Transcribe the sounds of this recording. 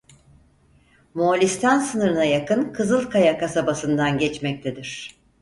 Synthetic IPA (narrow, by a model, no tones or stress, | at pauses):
molʲist̪ʰansɯnɯɾɯnajakɯnkʰɯzɯlˠkʰajakasabasɯnd̪anɟɛt͡ʃmɛc̚t̪ʰed̪iɾ̝̥